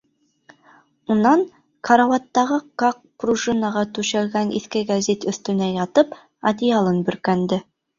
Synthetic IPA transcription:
unɑɴ | kʰɑɾawɑt̪ːɑʁɤkɑq̚pruʒinɑʁɑt̪ʉʃælɡænʔḭθkɘɡazʲit̪ɵ̆θt̪ɵ̆næjɑt̪ɤp | ɐ̰d̪ʲijalˠɤnbɵ̆ɾkænd̪ɘ

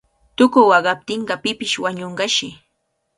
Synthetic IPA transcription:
t̪ʊkʊwɑɢɑp̚t̪ɪɴɢɑpɪpɪʃwaɲoɴɢɑʃɪ

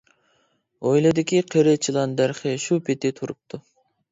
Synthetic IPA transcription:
ojlˠɨd̪ɪkʲʰiqʰeɾɪt͡ʃʰilˠɑnd̪æɾχɪʃupʰɪt̪ɪt̪ʰuɾup̚t̪ʰu

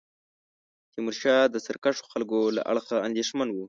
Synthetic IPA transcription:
t̪imuɾʃɑd̪əsəɾkaʂo̥xalɡola̰ʔa̰ɽxaand̪eʃmanwu

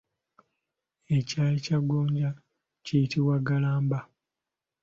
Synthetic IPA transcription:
e̞caːlecaɡoːɲɟa | cijitiwaɡalaːmba

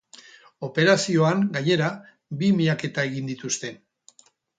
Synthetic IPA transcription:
o̞pe̞ɾasio̞aŋɡaɲe̞ɾa | bimiʎake̞t̪ae̞ɣind̪it̪ust̪e̞

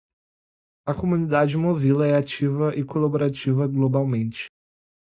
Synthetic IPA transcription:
ɐkomũnid̪ad͡ʒɪmovilɐɛat͡ʃivɐʔɪkolaboɾat͡ʃivɐɡlobawmẽnt͡ʃɪ̥

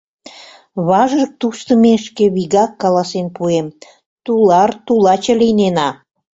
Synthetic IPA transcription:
βɑʒərək̚t̪ust̪əmeʃkeβiɣɑkːɑlɑsenpuem | t̪ulɑrt̪ulɑt͡ɕə̆lijnenɑ

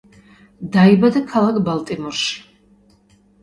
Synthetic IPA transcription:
d̪aibad̪akʰalakʰbalt̪ʼimɔrʃi̥

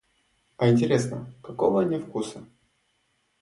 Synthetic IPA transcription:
ɐɪnʲtʲɪɾʲesnəkɐkovənʲɪfkusə

